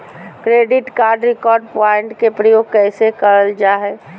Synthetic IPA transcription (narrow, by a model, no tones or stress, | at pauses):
kɾeːɖɪʈkaːɾɖɾɪkɔːɾɖ̚pɔɪɳʈkepɾəjoːɡ̚kɛɪsekəɾəld͡ʒaɦɛ